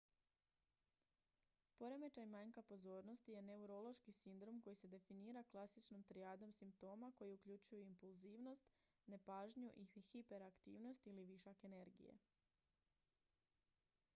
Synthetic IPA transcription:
po̞ɾe̞me̞t͡ʃajmajŋkapo̞zo̞ːɾno̞st̪ije̞ne̞uɾo̞lˠo̞ʃkisind̪ɾo̞mko̞jise̞d̪e̞finiːɾaklˠasit͡ʃnomt̪ɾiaːd̪o̞msimp̚t̪o̞ːmako̞jiukʎut͡ʃujuimpulˠziːʋno̞st̪ | ne̞paːʒɲuʔixipe̞ɾakt̪ḭːʋno̞st̪iliʋiʃake̞ne̞ɾɡḭjḛ

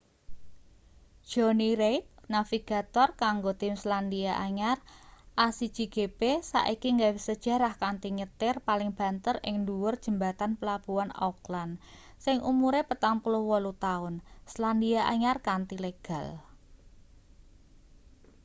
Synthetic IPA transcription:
d̥ʒ̥ɔniɾejt̪̚nafiɡ̥a̤t̪ɔrkaŋɡot̪ɪmslandiaʔaɲarʔasid̥d͡ʒ̥iɡ̥e̤pesa̰ʔikiŋɡawɪsəd̥ʒ̥a̤ɾahkant̪iɲət̪ɪrpalɪŋb̥a̤nt̪ərɪ̰ŋnduwʊrd̥ʒ̥ə̤mbat̪anpəlab̥uanɔ̰klan | sɪŋumuɾepət̪aŋpulʊhwɔlut̪aʊnsland̪iaʔa̰ɲarkant̪ileɡ̥a̤l

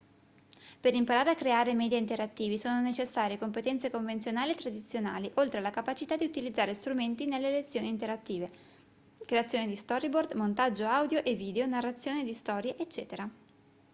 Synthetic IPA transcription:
peɾimpaɾaːɾeakːɾeaːɾemɛd̪jaint̪eɾat̪ːiːvisoːnonet͡ʃesːaːɾjekompet̪ɛnt̪sekoɱvent̪jonaːliet̪ːɾad̪it̪sːjonaːliʔolt̪ɾelakapat͡ʃit̪ad̪iut̪ilid̪zːaːɾest̪ɾument̪inelːelet̪sːjoːnint̪eɾat̪ːiːve | kɾeat̪sːjoːnid̪ist̪ɔɾibord̪mont̪ad͡ʒːoawd̪joʔevːiːd̪eonarːat̪sːjoːnid̪ist̪ɔːɾjeʔet͡ʃːɛːt̪eɾa

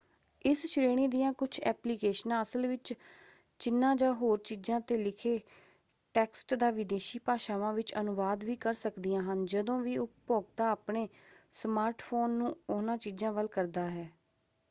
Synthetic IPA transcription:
ɪst͡ʃʰɾeːɽ̃iːd̪ijãːkʊt͡ʃʰɛːpliːkeːʃnãːəsəlʋɪt͡ʃ | t͡ʃɪnːãːd͡ʒaːɦoːɾt͡ʃiːzãːt̪eːlɪkʰeː | ʈɛːksʈd̪aːʋɪd̪eːʃiːpaːʃaːʋãːʋɪt͡ʃənʊʋaːd̪ʋiːkəɾsəkd̪ijãːɦənd͡ʒəd̪õːʋiːʊppoːɡ̚t̪aːaːpɳeːsmaːɾʈpʰoːnːũːʊnãːt͡ʃiːd͡ʒãːʋəlkəɾd̪aːɦɛː

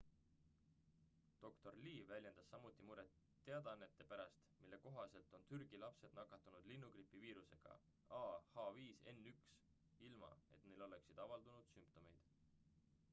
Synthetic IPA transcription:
d̪̥o̞kt̪o̞rliːvælʲje̞nd̪̥ɑsːɑmut̪ˑːimuɾe̞t̪ːe̞ɑd̪̥ɑnːe̞t̪ˑːe̞pæɾɑst̪milːe̞ko̞ɦɑse̞lt̪ˑo̞nt̪yrɡ̥ilɑpse̞d̪̥nɑkːˑɑt̪ːˑunud̪̥linːuɡripˑːiviːɾuse̞̰ɡ̥ɑ̰ | ɑːhɑviːse̞̰nːyks | ilmɑ̰e̞̰t̪ne̞jlo̞le̞ksid̪̥ɑvɑld̪unud̪̥sympt̪o̞me̞jd̪̥

